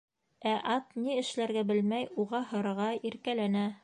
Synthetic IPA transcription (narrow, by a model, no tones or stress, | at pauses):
æʔɑt̪niɘ̆ʃlæɾɡæbɘlmæjuʁɑhɤ̆ɾɤ̆ʁɑiɾkælænæ